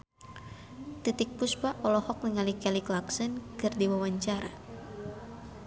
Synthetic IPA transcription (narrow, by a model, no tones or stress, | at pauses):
t̪it̪ik̚puspaʔɔlɔhɔk̚nəŋalikɛliklaksɨnkɨrdiwawaɲt͡ʃaɾa